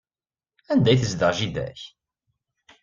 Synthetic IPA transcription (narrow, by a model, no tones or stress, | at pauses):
ænd̪æjθəzd̪əʁʒiðæ̰ç